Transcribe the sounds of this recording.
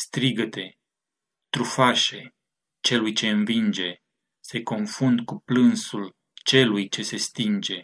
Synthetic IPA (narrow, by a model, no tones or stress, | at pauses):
st̪ɾiɡət̪e̞ | t̪ɾufaʃe̞ | t͡ʃe̞lujt͡ʃe̞ɨnvind͡ʒe̞ | se̞ko̞nfund̪kuplɨnsul | t͡ʃe̞lujt͡ʃe̞se̞st̪ind͡ʒe̞